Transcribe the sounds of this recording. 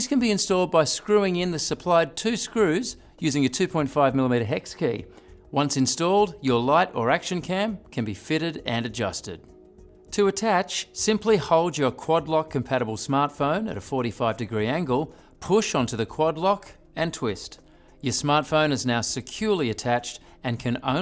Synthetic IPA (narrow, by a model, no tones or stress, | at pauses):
ðskɨ̃nbiɨ̃nstɔlˠd̚baɪskɹʉɪ̃ŋɪ̃nðɨsɨpʰl̥aɪd̚tʰʉskɹʉz | jʉzɪ̃ŋɨtʰʉpʰɔ̃ɪ̃ntfaɪvmɪlˠəmiɾə˞ɦɛkskʰḭ | wʌ̃nsɨ̃nstɔlˠdjə˞laɪɾə˞ækʃɨ̃nkʰæ̃mkʰɨ̃nbifɪɾɨɾɨ̃nɨd͡ʒʌstɨ̰d̥̚ | tʰɨɨtʰæt͡ʃsɪ̃mplihoʊlˠd͡ʒə˞kʰw̥ɑdˡlɑkʰːɨ̃m̩pʰæɾəbl̩ˠsmɑɹtfõʊ̃nɨ̰ɾɨfɔɹɾifaɪvdɨɡɹiæ̃ŋɡəl̩ˠ | pʰʊʃntʰɨðɨkʰw̥ɑdˡlɑk | ɨ̃ntʰw̥ɪst | jə˞smɑɹtfõʊ̃nɨznaʊsɨkʰj̥ɔɹlˠiɨtʰæt͡ʃt | ɨ̃nkʰɨ̃nõ̰ʊ̃